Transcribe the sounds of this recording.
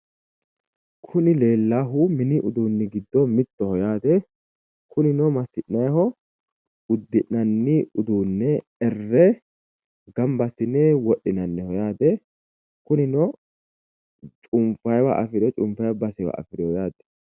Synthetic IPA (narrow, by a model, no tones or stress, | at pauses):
kʰʊnɪle̞ːlːaːɦʊmɪniʔʊd̪uːnːɪɡɪd̪ːɔmɪt̪ːɔhɔjaːt̪ɛ | kʰʊnɪnɔmɐsɪʔnɐjhɔ | ʊd̪ːɪʔnɐnːiʊd̪uːnːɛ | ɛrːɛ | ɡɐmbɐsɪneːwɔɗːɪnɐnːɛhɔjaːt̪ɛ | kʊnɪnɔ | t͡ʃʼʊmfɐjwa̰ʔɐfɪɾɛt͡ʃʼʊmfɐjbɐsɛwɐ̰ʔɐ̰fɪɾɔd̪aːt̪ɛ̥